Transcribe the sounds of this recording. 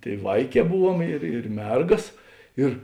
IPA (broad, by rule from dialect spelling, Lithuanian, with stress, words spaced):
ˈtʲeːɪ ˈʋɐɪˌkʲɛː ˈbʊˌʋuɔm ɪr ɪr ˈmʲɛrɡɐs ˈɪr